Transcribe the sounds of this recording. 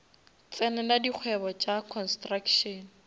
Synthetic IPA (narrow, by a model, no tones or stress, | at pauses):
t͡sʼɛnɛladiq͡χʰwɛbɔt͡ʃʼakʰɔnstrakʃɔn̩